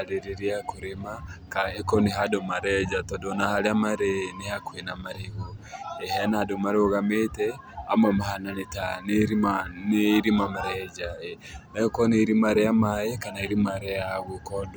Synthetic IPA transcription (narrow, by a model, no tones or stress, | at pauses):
aɾeɾeɾiakoɾemakaɛkɔneɦadomaɾɛd͡ʒatɔdɔnahaɾeamaɾenehakwenamaɾehoɛɦɛnadomaɾeoɣametɛ | a̰mɔmahananetaneɾimaneɾimamaɾɛd͡ʒa | ɛkɔneɾimaɾeamaekanaeɾimaɾɛaɣokɔdo